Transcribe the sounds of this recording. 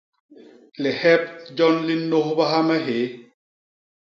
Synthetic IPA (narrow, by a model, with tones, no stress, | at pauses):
lɛ˨hɛ˦p̚d͡ʒɔ˦nli˦nːo˦hba˦ɦa˦mɛ˦ɦe˨˦